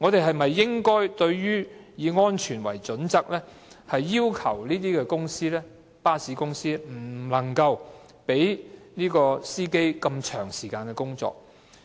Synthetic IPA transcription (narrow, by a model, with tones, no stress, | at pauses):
ŋɔː˨˧t̪e˨jɦɐ˨jmɐ˨jːɪ˥ŋkɔː˥jt̪ɵ˧ɥɥyː˥jiː˨˧ŋɔː˥nt͡ʃʰyː˨˩nwɐ̰˨˩jt͡sɵ˨˥nt͡sɐ˥k̚lɛː˥ | hɐ˨jːiː˥wkʰɐ̰˨˩wliː˥t̪̬iː˥kɛː˧kʊ˥ŋsiː˥lɛː˥ | paː˥siː˨˥kʊ˥ŋsiː˥m̩˨˩lɐ˨˩ŋkɐ˧w | pe˨˥jniː˥kɔː˧siː˥ke˥jkɐ˧mt͡ʃʰœː˨˩ŋsiː˨˩kaː˧nkɛː˧kʊ˥ŋt͡sɔ̰ː˨k̚